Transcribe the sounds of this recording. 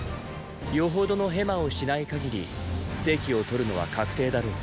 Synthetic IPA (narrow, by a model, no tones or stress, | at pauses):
jo̞ɦo̞d̪o̞no̞ɦe̞mao̞ɕinaikaɡʲiɾʲise̞ːkʲio̞t̪o̞ɾɯ̟no̞βa̰kʰakɯ̟̥t̪e̞ːd̪aɾoː